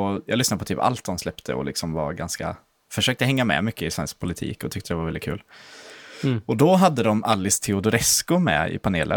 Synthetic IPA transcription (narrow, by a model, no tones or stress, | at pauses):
ɔjɑːɡlʏsnad̪pʰɔt̪yːpa̰lt̪̚d̪ɔmslɛpt̪ʰə̰ɔ̰lɪksɔmva̰ɾɡanska̰ | fœʂøːk̚t̪əɦɛŋːamɛ̰mʏkːəɪsvɛnsk̚pʰʊlɪt̪ʰḭːkɔt̪ʰʏk̚t̪əd̪ɛvaɾvɛlɪt̪̚kʰʉ̟ːl | ɔd̪ɔɦad̪ːəd̪ɔmalːɪst̪ʰɛʊd̪ʊɾɛskʊmɛ̰ɪ̰pʰaneːlʔə̰